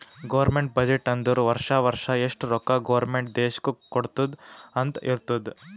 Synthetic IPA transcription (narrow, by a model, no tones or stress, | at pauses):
ɡɐʋɐɾmeɳʈ̚bɐd͡ʒeʈɐnd̪ɐɾuʋɐɾʂaʋɐɾʂɐeʂʈɾɔkaɡɐʋɐɾmeɳʈ̚d̪eːʃkukoɽt̪ud̪ɐnt̪iɾt̪ud̪